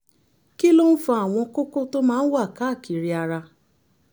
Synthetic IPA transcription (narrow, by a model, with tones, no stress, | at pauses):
ki˦lo˦n̩˦fa˧a˨w̃ɔ̃˧ko˦ko˦to˦mãː˦˧n̩˦wa˦˨ka˨˦˨ki˨ɾi˧a˧ɾa˧